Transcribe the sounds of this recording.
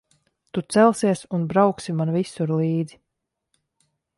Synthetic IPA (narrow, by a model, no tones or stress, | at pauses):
t̪ut̪sɛlˠsiɛsunbɾawksimanvisuɾlˠiːd̪zi